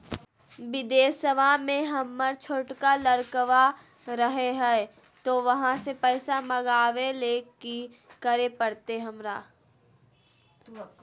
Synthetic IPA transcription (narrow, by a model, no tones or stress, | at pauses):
ʋɪd̪eːsəʋamẽɦɐmːəɾt͡ʃʰoːʈkaləɾkəʋa | ɾəɦeɦɛ | t̪oʋɐɦãsepɛːsamɐɡaːʋeleki | kəɾepəɾt̪eɦɐmɾaː